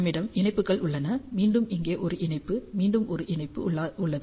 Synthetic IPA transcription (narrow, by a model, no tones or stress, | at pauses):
mɪɽɐmɪnɐɪpːɯkːɐɭʊɭːɐnɐmiːɳɖɯmɪŋɡeːʔɔɾɯʔɪnɐɪpːɯmiːɳɖɯmʔɔɾɯʔɪnɐɪpːɯ̰ɭːʊɭːɐðɯ